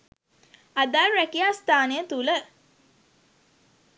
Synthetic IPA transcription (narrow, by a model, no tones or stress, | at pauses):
ad̪aɾːækiast̪aːnəjət̪ulə